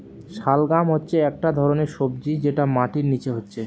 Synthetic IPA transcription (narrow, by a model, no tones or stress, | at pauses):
ʃalɡamɦotːɕʰeɛk̚ʈad̪ʱɔɾoneɾʃobd͡ʑid͡ʑeʈamaʈiɾnit͡ɕeɦotːɕʰe